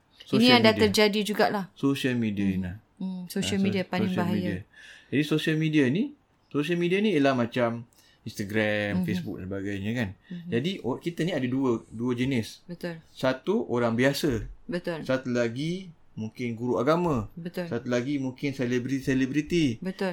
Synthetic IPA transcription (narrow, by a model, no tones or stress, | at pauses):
soiniadat̪ərd͡ʒadid͡ʒuɡaʔlahsosialmidiaina | sosalmidiapaɪŋbaɦaijadiad͡ʒadisosialmidiani | sos̬ialmidianijəlahmãt͡ʃam | inst̪aɡɾamfesbṵk̚səbaɡajɲəkand͡ʒadiokit̪əniadəduəduəd͡ʒənɪsbət̪ʊlsat̪uʔoɾaŋbiasəbət̪ʊlsat̪ulaɡi | mũŋkɪnɡuɾuʔaɡamãbət̪ʊsat̪ulaɡimũŋkɪnselebɾiselebɾit̪ibət̪ʊl